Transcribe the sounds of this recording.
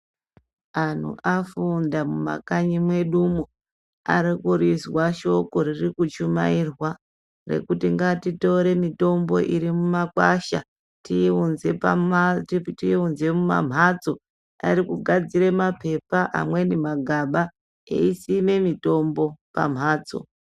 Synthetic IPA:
an̤ṵʔafundamuma̰kaɲimwe̞ɗumu | a̰ɾikuriswaʃo̞ko̞ririkut͡ʃumairwa | re̞̰kutiŋɡatito̞ɾe̞mito̞mbo̞ʔiɾimumakwaʃa̰ | tiunze̞pattiunze̞muma̰m̤ʱad͡zo̞ | a̰rikuɡʱad͡ziɾe̞mape̞paʔa̰mwe̞nemaɡʱaɓa | ḛisine̞mito̞mbo̞pa̰m̤ʱaːd͡zo̞̰

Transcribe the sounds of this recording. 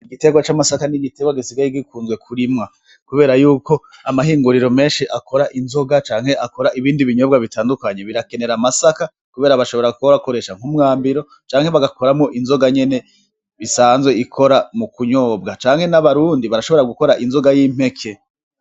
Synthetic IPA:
iɡite̞ɡwat͡ʃamasakaniɡiteɡwaɡisiɡaɾiɡikuːnzɡwe̞kʰuɾimŋa | kuβe̞ːɾajuːko̞amaɦiːŋɡuɾiɾo̞me̞ːnʃiʔakʰo̞ɾaʔinzo̞ɡat͡ʃaːŋ̥he̞ʔako̞ɾaʔiβiːndiβiɲo̞bɡaβitaːndukaɲe̞βiɾake̞ne̞ɾamasaka | kuβe̞ːɾaβaʃo̞βo̞ɾaɡukoɾako̞ɾe̞ʃaŋ̥humŋaːmbiɾo̞ | t͡ʃaːŋhe̞βaɡako̞ɾamŋo̞ʔinzo̞ɡaɲe̞ne̞ | βisaːnzwe̞ikʰo̞ɾamukuɲo̞ːbɡat͡ʃaːŋ̥he̞naβaɾuːndiβaɾaʃo̞βe̞ɾaɡuko̞ɾaʔinzo̞ɡajiːm̥e̞kʰe

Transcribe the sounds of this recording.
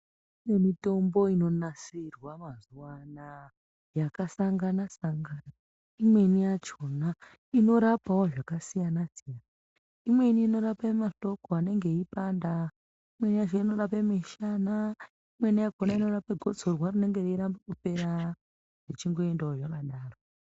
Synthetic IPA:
ime̞mito̞mbo̞ino̞nasirwamazuwana | jakasaŋɡanasaŋɡana | imwe̞nijat͡ʃo̞na | ino̞ɾapawoʐakasijanasijana | imwe̞niːno̞ɾapamaɬo̞koane̞ŋɡe̞ipanda | imwe̞nijat͡ʃoino̞ɾapemeʃana | imwe̞nijaɡʱonaino̞rapeɡʱo̞d͡zʱo̞rwarine̞ŋɡereɾambakupe̞ɾa | ʐet͡ʃiŋɡo̞e̞ndaoʐakaɗaːro

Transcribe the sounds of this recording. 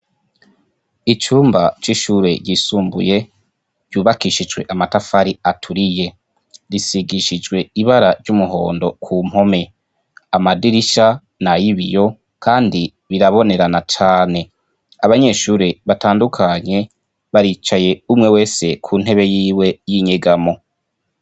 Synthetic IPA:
it͡ʃuːmbat͡ʃiʃuːɾe̞ɾɟisuːmbṵje̞ | ɾɟuːβakiʃid͡ʒwe̞ʔamatafaɾiatʰuɾije̞ | ɾisiɡiʃid͡ʒɡwe̞iβaɾaɾɟumuɦo̞̰ːndo̞kʰum̥ho̞me̞ | amadiɾiʃa | najiβḭjo̞ | kaːndi | βiɾaβo̞ne̞ɾanat͡ʃaːne̞ | aβaɲe̞ʃuːɾe̞βataːndukʰaɲe̞ | βaɾiːt͡ʃaje̞umŋe̞we̞ːse̞kʰuːn̥e̞βe̞jiːwe̞jiɲeɡamo̞

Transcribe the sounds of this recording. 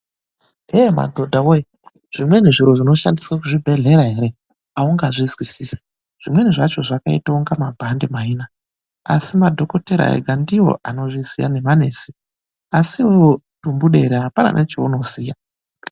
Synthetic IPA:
ema̰dʱodʱawoje | ʐ̥imwe̞niʐiɾo̞ʐino̞ʃandiswak̬uʐibʱe̞ɮe̞ɾaɦe̞ɾe̞ | auŋɡaʐizwisiːsi̥ | ʐ̥imwe̞niʐat͡ʃo̞ʐakaḭtauŋɡamabʱandemaiːna | a̰simadʱo̞ko̞teɾa̰ḛɡʱandiwo̞̰ʔano̞ʐisija̰ne̞mane̞ːsi | asiujo | tumbuɗe̞ɾeapana̰nʔet͡ʃeuno̞siːja

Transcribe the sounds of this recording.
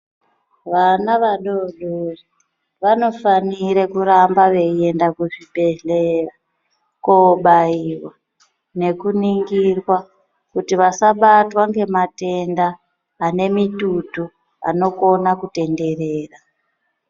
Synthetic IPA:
ʋanaʋaɗo̞ɗori | ʋano̞faniɾe̞kuɾambaʋe̞ie̞ndakuʐibe̞ɮera | koɓaiwa | ne̞kuniŋɡirwa | kutiʋasaɓatwaŋɡe̞mate̞ndaː | ne̞mitutu | a̰no̞ko̞nakute̞nde̞re̞ːra

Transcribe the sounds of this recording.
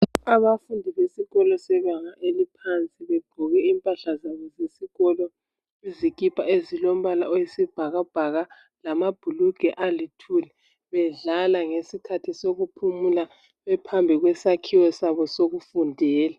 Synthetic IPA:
aβafundʱiβesiɣɔlɔsɛɣaŋaʔelipʰant͡sʼiβɛɡ̥ʱɔɣɛimpʼaɬazaβɔzesiɣɔlɔ | izikʼipʰʼaezilom̩βalaɔjesib̥ʱaɣab̥ʱaɣa | lamab̥ʱuluɡ̥ʱɛʔalitʰulɛ | βɛɮalaŋesikʰatʰisoɣupʰumula | βɛpʰambʱiɣwɛsakʰiwɔsaβɔsoɣufundʱɛːla

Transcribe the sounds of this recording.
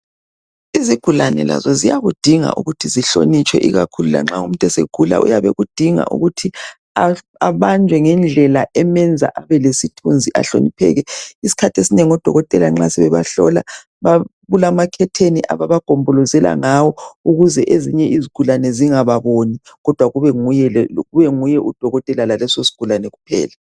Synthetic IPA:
iziɡ̥ʱulanɛ̰la̰zɔzijaɣud̥ʱiŋa̰ʔṵɣutʰiziɬo̰nit͡ʃʰʼwɛʔiɣakʰulula̰ŋ͡ǁaṵm̩tʼɛseɡ̥ʱula̰ʔṵjaβɛɣud̥ʱiŋa̰ʔṵɣutʰi | a | aβand͡ʒʱwɛŋɛnd͡ɮʱɛlaʔɛmɛnd͡zʱaʔaβɛlesitʰund͡zʱiʔa̰ɬo̰nipʰɛ̰ːɣɛisi̥kʰatʰesineŋiɔd̥ʱɔ̰ɣɔtʼɛlaŋ͡ǁasɛβɛβaɬɔ̰la̰ | βaβulamakʰɛtʰeniʔa̰βaβaɡ̥ʱombʱɔlɔzɛla̰ŋawɔuɣuzɛʔeziɲɛiziɡ̥ʱulanɛziŋaβaβoni | ɣɔd̥ʱwaɣuβɛŋujɛɣuβɛŋujɛʔud̥ʱɔɣɔtʼɛlalalɛsosi̥ɡ̥ʱulanɛɣupʰɛ̰ːla

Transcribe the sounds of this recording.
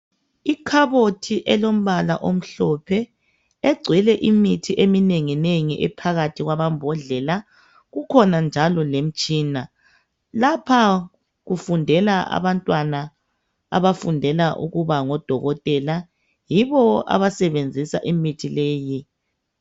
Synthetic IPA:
ikʰaβotʰiʔɛlom̩βala̰ʔom̩ɬɔpʰɛ | eɡ͡ǀʱwilɛʔimitʰiʔemineŋineŋiʔɛpʰaɣatʰiɣwaβambʱɔɮɛla | ɣukʰɔnand͡ʒʱalɔlem̩t͡ʃʼiːna | lapʰa | ɣufundʱɛlaa̰βantʼwana | a̰βafundʱɛlaʔṵɣuβaŋɔd̥ʱɔɣɔtʼɛla | jiβɔa̰βasɛβend͡zʱisaʔimitʰileːji

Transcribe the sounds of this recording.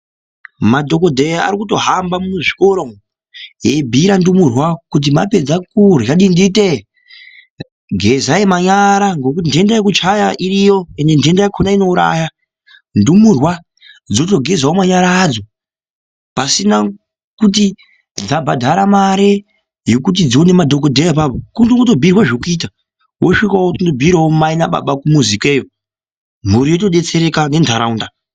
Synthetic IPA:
madʱo̞ko̞dʱeja̰ɾikuto̞ɦambamunuʐiko̞ɾo | jebʱiɾandumurwakut̬imape̞d͡zakurjaɗindite | ɡʱezaemaɲaɾaŋɡo̞k̬utindendajekut͡ʃajaʔirijo̞e̞nde̞ndendajakʰonaino̞uɾa̰ːja | ndumurwa | d͡zo̞to̞ɡʱezwaomaɲaɾaːd͡zo̞ | pasina | kut̬i | d͡zabʱadʱaɾamaɾe | jo̞kut̬id͡zione̞madʱok̬odʱeap̬abʱokuntoŋɡotobʱirwaʐekuiːt̬a | wʔoʂikawotindobʱiɾwaomainaɓa̰ɓakumuzike̞ːjo | m̤uɾijoto̞ɗe̞t͡se̞ɾe̞kane̞ndʰʱaɾaunda

